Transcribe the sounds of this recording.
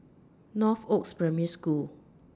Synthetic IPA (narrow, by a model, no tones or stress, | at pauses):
nɔfokspɹɛ̃miəskul